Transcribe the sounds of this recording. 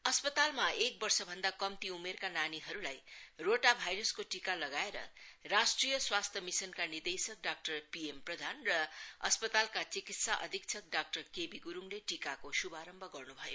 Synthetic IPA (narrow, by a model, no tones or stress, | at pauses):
ʌspʌt̪almaek̚bʌrsʌbʱʌnd̪akʌmt̪iumerkananiɦʌɾulajroʈabʱajɾʌskoʈikalʌɡaeɾʌ̰rasʈrijʌswast̪ʰʌmisʌnkanird̪esʌk̚ɖak̚ʈʌrpiemprʌd̪ʱanrʌʌspʌt̪alkat͡sikit̪saʔʌ̰d̪ʱik̚t͡sʰʌk̚ɖak̚ʈʌrkebiɡuɾumleʈikakosubaɾʌmbʱʌɡʌrnubʱʌjo